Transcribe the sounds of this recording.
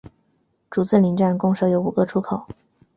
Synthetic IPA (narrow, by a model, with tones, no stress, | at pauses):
ʈ͡ʂu˨˩t͡sɹ̩˥˩li˧˥nʈ͡ʂa˥˩nkʊ˥˧ŋʂɤ˥ʊjo˧˥ʊu˨˩ɡə˧ʈ͡ʂʰu˥kʰo˨˩˦ʊ